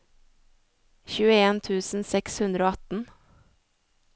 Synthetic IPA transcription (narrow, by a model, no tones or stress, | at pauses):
çʉːəeːnt̪ʰʉːsn̩sɛkshʉnd̪ɾəoːɑt̪n̩